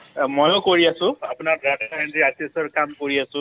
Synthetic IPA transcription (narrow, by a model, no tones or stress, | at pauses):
mojõkoɹiasʊ̃apʊnaɹɡadʱaentiasiesɔɹkamkoɹiasʊ̃